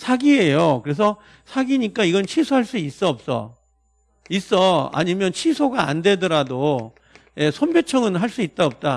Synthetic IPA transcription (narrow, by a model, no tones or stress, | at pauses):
sʰaɡie̞jokɯɾe̞s̬ʰʌ | sʰaɡiɲik͈aiɡʌnt͡ɕʰisʰoɦaɭs͈uis͈ʌp̚s͈ʌ̰ | is͈ʌa̰ɲimjʌnt͡ɕʰisʰoɡaa̰nde̞dʌɾado | je̞sʰonbjet͡ɕʰʌŋɯnɦaɭs͈uit̚t͈aʌp̚t͈a